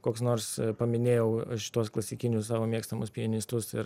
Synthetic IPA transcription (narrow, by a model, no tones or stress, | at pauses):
koːksnoːrspɐmʲɪnʲeːjɛʊɐʃʲɪ̥t̪uɔsklˠɐsʲɪkʲɪnʲʊssɑːʋoːmʲeːkst̪ɐmʊspʲɪɛnʲɪst̪ʊsɪ̰ɾ